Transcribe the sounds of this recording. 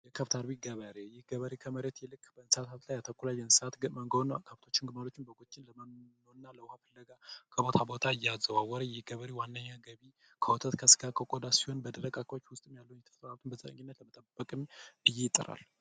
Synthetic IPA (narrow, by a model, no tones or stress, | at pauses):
jɛkʰəft̪ʰaɾbiɡəβəɾejɪɡəβəɾekʰəməɾet̪jɛlɨkːbəɨnsat̪ʰat̪lajat̪ʰəkʷːulajɛnsat̪məŋɡnkʰəft̪ʰo̞t͡ʃːɪnɡɨmalot͡ʃːɪnbəɡot͡ʃʼːɪnləməmnoɨnːaləwʊhafəlːəɡakʰəbo̞t̪ʰabo̞t̪ʰaɨjːɛazːəβawɔɾəjɛɡəβəɾewanːəɲːaɡəβi | kʰəwot̪ʰət̪kʰəsɨ̥ɡakʰəkʼod̪asiho̞nbəd̪əɾəkʼakːot͡ʃːwʊst̪ʼɨmjalːəwunjɛt̪ʰə̥st̪əβat̪ʰɨnbəzʼəə̰ŋɡinːət̪ləmət̪ʼəb̥ːəkʼɨmɨjːɛjɪt̪ʼːə̰ɾa̰l